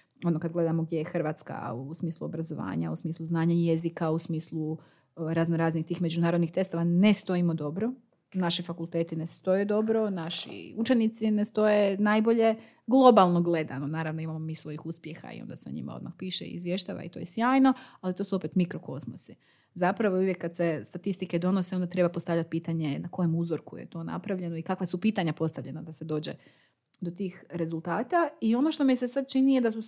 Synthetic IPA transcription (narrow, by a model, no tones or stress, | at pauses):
o̞nokad̪ɡle̞d̪amoɡ̚dje̞jexr̩ʋaːt̪ska̰usmiːslˠuo̞bɾazoʋa̰ːɲa̰usmiːslˠuznaːɲaje̞zikausmiːslˠu | ɾaznoɾaːznixt̪iːxme̞d͡ʒunaːɾod̪nixt̪e̞st̪oʋanest̪o̞imod̪o̞bɾo̞ | naʃifakulˠt̪et̪inest̪o̞jed̪o̞bɾo̞naʃḭut͡ʃenit̪sinest̪o̞jenajbo̞ʎe̞ | ɡlˠo̞balˠno̞ɡle̞d̪a̰nonaːɾaʋnoimamomiːsʋo̞jixuspje̞xa̰ḭo̰nd̪a̰seoɲḭmʔa̰od̪ma̰xpiːʃeḭizʋje̞ʃt̪a̰ʋa̰ḭt̪o̞jesjaːjno̞alit̪o̞ːsuo̞pet̪mikɾo̞ko̞smosi | zapɾaʋouʋjekːad̪se̞st̪at̪ist̪ike̞d̪o̞noseo̞nd̪at̪ɾe̞bapo̞st̪avʎat̪̚piːt̪aɲe̞nako̞jo̞muzoɾkujḛt̪o̞ːna̰pɾaʋʎe̞noikakʋasupiːt̪aɲapo̞st̪aʋʎe̞nad̪ase̞d̪o̞ːd͡ʑe̞̰ | d̪o̞t̪iːxɾe̞zulˠt̪aːt̪aio̞no̞ʃt̪o̞misesad̪̚t͡ʃinijed̪asu